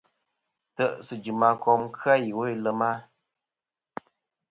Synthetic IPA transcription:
tə˦˨ʔsɨ˨d͡ʒɨ˨ma˨kɔ˨˦mkʰa˦ji˨wo˦i˨lə˦ma˦

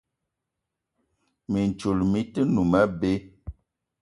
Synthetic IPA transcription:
mi˨n˨t͡ʃu˨lmi˦tə˦nu˨mɛ˦be˦

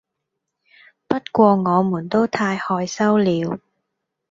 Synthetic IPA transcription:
pɐ˥t̚kʷɔː˧ŋɔː˨˧muː˨˩nt̪o˥wt̪ʰaː˧jhɔː˧jsɐ˥wliː˨˧w

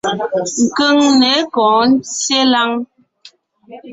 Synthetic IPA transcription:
ŋ̩˨kə˦ŋnɛ˨˦kɔ̃ː˨n̩˦t͡sje˦la˦ŋ

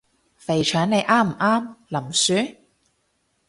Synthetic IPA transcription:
fe˨˩jt͡ʃʰœː˨˥ŋne˨˧jʔaː˥m̩˨˩ʔaː˥mlɐ˨˩msyː˨˥

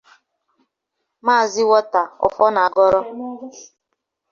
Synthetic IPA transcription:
maː˦˨zi˦wɔ˦ta˨ɔ̰˨fɔ˦na˨a˨ɡɔ˦ɾɔ˦

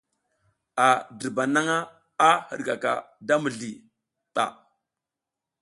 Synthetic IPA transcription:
a˨də˨ɾba˨na˦ŋa˦ | a˦hə̰˨ɾɡa˨ka̰˨da˦mə˨ɮi˨ | ɓa̰˨

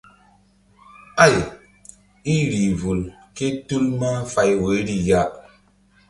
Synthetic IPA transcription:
a˦˨j | i˦ɾi˨vu˨lke˦tu˦lmə˦ɱ̩˦fa˦jwe˨˦ɾi˦ja˦ʔ

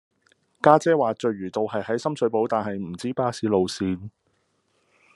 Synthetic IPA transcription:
kaː˥t͡sɛː˥waː˨t͡ʃɵ˨˧ɥɥyː˨˩t̪o˨whɐ˨jhɐ˨˥jsɐ˥msɵ˨˧ɥpo˨˥wt̪aː˨nhɐ˨jm̩˨˩t͡siː˥paː˥siː˨˥lo˨wsiː˧n

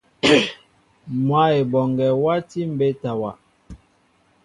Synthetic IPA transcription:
mwa˨˦e˨bɔ˨ŋɡɛ˨wa˦ti˦m̩˦be˦ta˨wa˨

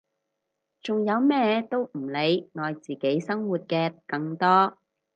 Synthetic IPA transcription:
t͡sʊ˨ŋjɐ˨˧wmɛː˥t̪o˥wm̩˨˩le˨˧jŋɔː˨jt͡siː˨ke˨˥jsɐ˥ŋwuː˨t̚kɛː˧kɐ˧ŋt̪ɔː˥

